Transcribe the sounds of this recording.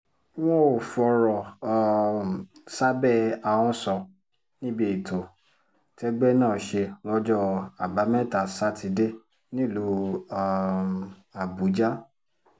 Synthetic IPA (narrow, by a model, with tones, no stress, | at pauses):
w̃ɔ̃˦o˨fɔ˧ɾɔ˨ | sa˦bɛ˦˨a˨wɔ̃˦sɔ˧ | nĩ˦bi˦˨i˨to˨ | tɛ˧˦ɡ͡bɛ˦nãː˦˨ʃe˧lɔ˦d͡ʒɔ˦a˨ba˨˦mɛ̃˦˨ta˨sa˦ti˧de˦ | nĩ˦˨lo˨˧˦ | a˨bu˨˦d͡ʒa˦